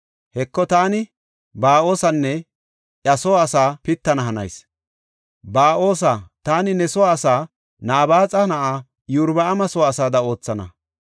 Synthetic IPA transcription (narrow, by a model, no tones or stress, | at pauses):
hɛkːɔt̪aːnɪ | baːʔo̞ːsɐnːɛ | ʔɐsɔwaːsaːpɪt̪ːɐnɐɦɐnɐ̰js | baːʔo̞ːsat̪aːnɪnɛsɔwaːsaː | naːbaːt͡sʼɐnɐʔaː | jʊɾbɐɐmɐsɔwaːsaːd̪ɐo̞ːt͡sːɐnɐ̰